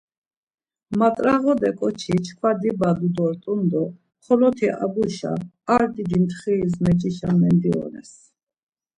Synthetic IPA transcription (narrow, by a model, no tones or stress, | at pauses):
mat̪ʼɾaʁɔd̪ɛkʼɔt͡ʃʰit͡ʃʰkʰwad̪ibad̪ud̪ɔɾt̪ʼund̪ɔ | χɔlɔt̪ʰiʔa̰buʃa̰ | aɾd̪id̪imt̪ʰχizmɛd͡ʒiʃamɛnd̪iɔ̰nɛ̰s